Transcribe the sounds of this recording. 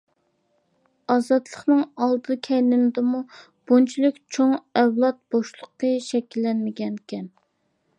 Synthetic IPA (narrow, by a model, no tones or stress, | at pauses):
ɑzɑt̪ʰlˠəχnɨŋɑlˠd̪ɨkʲʰɛjlɪnɪd̪ɨmu | b̥ont͡ʃʰilˠɨkʲt͡ʃʰoŋɛwlˠɑt̪̚b̥oʃlˠʊqːəʃɛkʲilːɛnmɪɡʲɛnkʲʰɛn